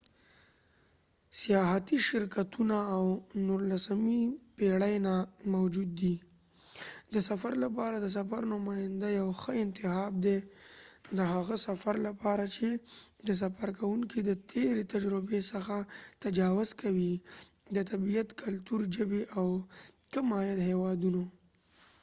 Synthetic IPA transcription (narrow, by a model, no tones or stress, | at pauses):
sijɑɦat̪iʃɪɾkat̪unaːwnʊɾlasamipeɽajnamawd͡ʒud̪ːi | d̪əsafaɾlapɑɾad̪əs̬afaɾnʊmɑjɪnd̪ajawxəɪnt̪ɪhɑb̚d̪e | d̪əɦaɣasafaɾlapɑɾat͡ʃed̪əs̬afaɾkawuŋkid̪ət̪ʰeɾet̪ad͡ʒɾʊbesəxat̪ad͡ʒɑwʊzkawi | d̪ət̪abijat̪kʰalt̪uɾd͡ʒəbeʔawkamɑjad̪hewɑd̪uno